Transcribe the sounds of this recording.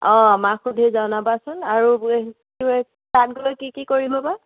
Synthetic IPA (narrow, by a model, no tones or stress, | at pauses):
ɔ̃maxudʱizawnabasʊnaɹueɦ | tʊɛ | tat̚ɡulɔjkikikoɹibɔpa